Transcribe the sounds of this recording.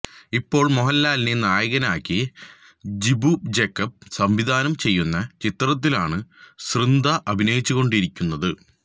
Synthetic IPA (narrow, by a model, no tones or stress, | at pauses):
ipːo̞ːɭmoɦɐlːaːlnenaːjɐɣɐnaːkʲːi | d͡ʑibud͡ʑekːɐp̚sɐmʋid̪ʱaːnɐmt͡ɕe̞jːunːɐt͡ɕit̪rɐt̪̬ːilaːɳɨsrɨnd̪ɐʔɐbʱinɐjit͡ɕːuɣo̞ɳɖiɾikʲːunːɐðɨ